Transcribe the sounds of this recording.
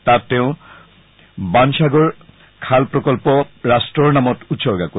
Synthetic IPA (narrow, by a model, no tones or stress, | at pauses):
t̪at̪eʊ | banʃaɡoɾ | kʰalpɾokolpoɾaʃʈɾoɾnamot̪ut̪ʃoɾɡako